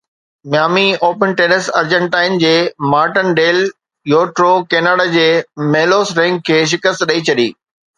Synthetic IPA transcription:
mjaːmioːpənʈeːnəsɐɾd͡ʑə̃ɳʈaːɪnd͡ʑeːmaːɾʈənɖeːl | joːʈɾokeːnaːɽad͡ʑeːmeːloːsɾɛ̃ŋɡ̚kʰːeːʃ̬ɪkəst̪ɗɐit͡ɕʰɐɗḭː

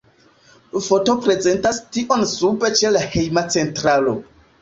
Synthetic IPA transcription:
fo̞to̞pɾe̞ze̞ntastiʔo̞nsupe̞t͡ʃe̞lahe̞jmat͡se̞ntɾalo̞̰

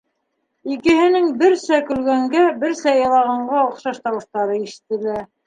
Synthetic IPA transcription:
ikɘ̆ɦɘ̆nɘŋbɘɾsækɵ̆lɡæŋɡæbɘɾsæjɑlˠɑʁɑɴɢɑŏχʃɑʃt̪ɑwɤ̆ʃt̪ɑɾɤiʃɘ̥̆t̪ɘ̆læɾ

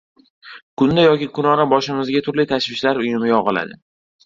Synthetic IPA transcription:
kʰʊnd̪ajɒkʲikʰʊnɒnabɒʃɪmɪzɡʲat̪ʰʊɾlɪt̪ʰaʃvɪʃlaɾʊjɪmɪjɒʁɨla̰d̪ɪ

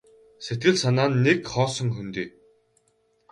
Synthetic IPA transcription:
set̪̚ɡɘ̆ɮsanaːnːekχɔːsɞ̆ŋxɵnt̪iː

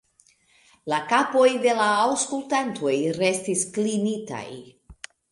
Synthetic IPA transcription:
lakapo̞jde̞laːwskultantʰo̞jɾe̞stisklinita̰j

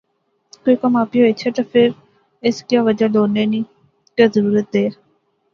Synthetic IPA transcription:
koːiːkəmaːpiɦoit͡ʃʰet̪əpʰɪɾ | ɪskjaːʋəd͡ʒaloːneːnĩː | kazəɾuːɾət̪̚d̪eː

